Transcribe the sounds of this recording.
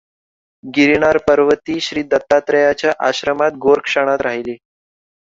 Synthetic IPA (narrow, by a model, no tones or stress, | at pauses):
ɡiɾiɳ̃aɾpəɾʋət̪iːɕɾiːd̪ət̪ːat̪ɾəjat͡ɕjaʔaɕɾəmat̪̚ɡoɾkʂəɽ̃at̪ɾaɦiliː